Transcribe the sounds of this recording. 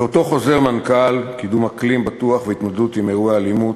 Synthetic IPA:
ot̪o̞χo̞ze̞ʁmankalkid̪umhaklimbatuaχveit̪mod̪dut̪imeʁuaːlimut

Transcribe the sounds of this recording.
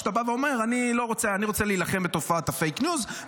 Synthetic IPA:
t̪abaveo̞me̞ʁanilo̞ʁo̞t͡seaniʁo̞t͡seliilaχembet̪o̞faat̪afejknjuz

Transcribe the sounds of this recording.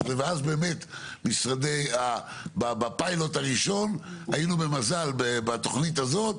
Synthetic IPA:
vveazbe̞ːme̞t̪misʁad̪eja | babapajlot̪aʁiʃo̞najinube̞mazalbebat̪o̞χnit̪azo̞t̪

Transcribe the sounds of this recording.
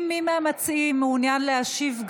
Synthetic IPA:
mːimamat͡simeunjanleaʃivɡ

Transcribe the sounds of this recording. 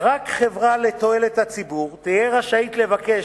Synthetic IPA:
ʁakχe̞vʁale̞t̪o̞e̞let̪hat͡sibuʁt̪ijeʁaʃait̪le̞vake̞

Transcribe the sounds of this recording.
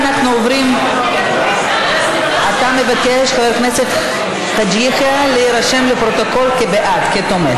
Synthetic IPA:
naχnuovɾim | at̪amevakeʃχaveɾknesef | t̪ad͡ʒiχialeiɾaʃemlepɾot̪okolkebeʔat̪ket̪ome

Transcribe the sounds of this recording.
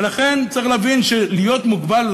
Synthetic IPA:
laχe̞nt͡saiχlavinʃelijo̞t̪muɡbal

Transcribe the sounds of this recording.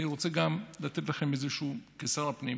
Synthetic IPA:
niʁot͡seɡamlat̪et̪̬laχe̞mezeʃuːkesaʁapnim

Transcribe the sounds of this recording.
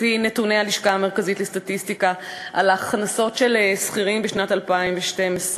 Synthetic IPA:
inetunealiʃkame̞ʁkazitlestatistikaʔalaχnaso̞tʃe̞lesχiʁimbeʃnatalpaimveʃtemes

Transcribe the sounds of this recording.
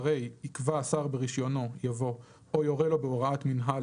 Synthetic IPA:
ʁe̞jikvaːsaʁbeʁiʃjo̞no̞javo̞ | ojo̞ʁelo̞beoʁaat̪minɦa

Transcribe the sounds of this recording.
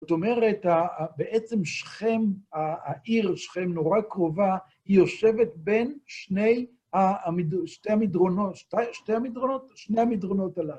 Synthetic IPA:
zot̪o̞me̞ʁe̞tabeʔet͡se̞mʃχe̞maːʔiʁʃχe̞mno̞ʁakʁo̞va | hijo̞ʃe̞vetbenʃne̞j | hamidʃtejamidʁonoʃtaʃtejhamidʁono̞tʃnejhamidʁono̞talal

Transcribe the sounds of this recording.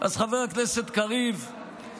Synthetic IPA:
ʔa̰zχaveʁakneset̪kaʁiv

